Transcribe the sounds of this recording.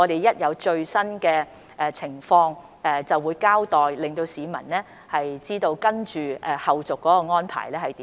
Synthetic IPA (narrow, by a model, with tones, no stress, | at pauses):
ɔ˨˧ɾe˨jɐ˥t̚jɐ˨˧wt͡ʃɵ˧ɥsɐ˥nkɛː˧ | ʔɛ˨˧t͡sʰɪ˨˩ŋfɔː˧ŋ | ɛ˧t͡sɐ˨wːuː˨˧jkaː˥wt̪ɔː˨˩jlɪ˨ŋt̪o˧wsiː˨˧mɐ̰˨˩nlɛː˥ | hɐ˨jt͡siː˥t̪o˧wkɐ˥nt͡ʃyː˨ʔɛ˧hɐ˨wt͡sʊ˨kːɔː˨˥kɔː˧ŋɔː˥npʰa̰ː˨˩jlɛː˥hɐ˨jt̪iː˨